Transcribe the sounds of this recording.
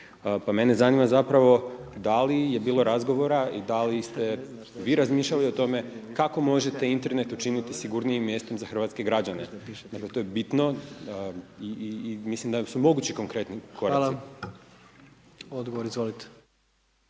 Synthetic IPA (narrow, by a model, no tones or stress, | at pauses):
pame̞ne̞zanimazapɾaʋo̞d̪alije̞biːlˠoɾazɡo̞ʋo̞ɾaid̪alist̪e̞ | ʋiːɾazmiːʃʎaliot̪o̞me̞kako̞mo̞ʒe̞t̪e̞int̪e̞ɾne̞t̪ut͡ʃinit̪isiɡuɾniimːjest̪o̞mzaxr̩ʋat̪ske̞ɡɾad͡ʑane̞̰d̪akle̞t̪o̞jebit̪no̞ | imislimd̪asumo̞ɡut͡ɕiko̞ŋkɾe̞t̪nikʰo̞ɾali | od̪ɡoʋoɾizʋolit̪e̥